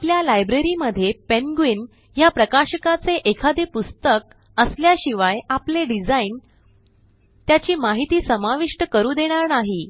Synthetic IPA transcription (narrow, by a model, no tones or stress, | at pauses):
apljalajbɾeɾiməd̪ʱːjepenɡʋin | japɾəkaɕəkat͡seʔekʰad̪epust̪ək̚ | əsljaɕiʋajapleɖid͡zain | t̪jat͡ɕiːmaɦit̪iːsəmaʋiʂʈəkəɾuːd̪eɽ̃aɾnaɦi